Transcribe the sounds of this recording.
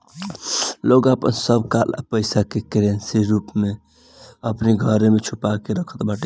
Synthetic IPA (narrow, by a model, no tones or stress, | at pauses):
loɡapə̰nsəbkalpəɪsakekɾensiɾupme | əpniɡʱəɾemet͡ʃʰupakeɾəkʰə̥t̪baʈe